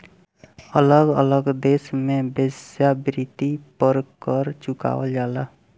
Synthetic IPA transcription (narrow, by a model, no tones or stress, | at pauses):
ələɡə̰ləɡd̪eːsmẽbesjabɾit̪ipəɾkəɾt͡ʃʊka̰ːʋəld͡ʒaːla